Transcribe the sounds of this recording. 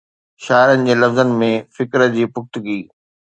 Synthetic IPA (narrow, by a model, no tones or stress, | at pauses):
ʃaːɪɾənɪ̆d͡ʑeːlɐfzənmẽfɪkɾəd͡ʑiːpʊxt̪ʊɡiː